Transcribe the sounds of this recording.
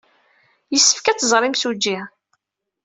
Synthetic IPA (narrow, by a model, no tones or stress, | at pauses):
jəsːə̥fkæt͡sːzˤɾˤimsud͡ʒːi